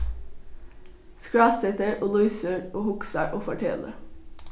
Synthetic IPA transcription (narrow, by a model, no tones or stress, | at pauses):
skɹɑːsɛt̪əɹoːlɔʏsəɹoːhʊksɑɹʔoːfɔʈʰɛ̰lə̰